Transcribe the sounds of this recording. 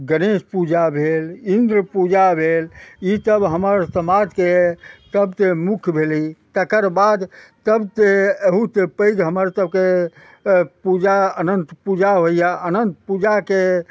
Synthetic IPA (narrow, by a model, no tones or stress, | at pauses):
ɡənespud͡ʒabʱelind̪ɾəpud͡ʒabʱelit̪əbɦəməɾsəmad͡ʒ̪ket̪əbt̪emukʰbʱelit̪əkəɾbad̪t̪əbt̪eeɦut̪epəɪd͡ʒɦəməɾt̪əb̚ke | pud͡ʒaənənt̪pud͡ʒaɦoijaənənt̪pud͡ʒake